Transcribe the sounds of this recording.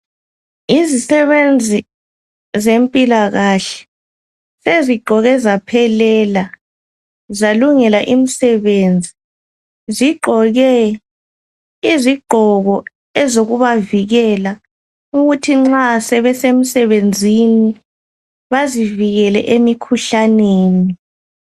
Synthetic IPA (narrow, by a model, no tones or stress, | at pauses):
izisɛβend͡zʱi | zempʼilaɣaɬɛ̥ | seziɡ͡ǃʱɔɣɛzapʰɛlɛla | zaluŋɛlaʔim̩sɛβeːnd͡zʱi | ziɡ͡ǃʱɔɣɛ | iziɡ͡ǃʱɔɣɔ | ɛzoɣuβaviɣɛla | uɣutʰiŋ͡ǁasɛβɛsem̩sɛβend͡zʱini | βaziviɣɛlɛ̰ʔemikʰuɬaneːni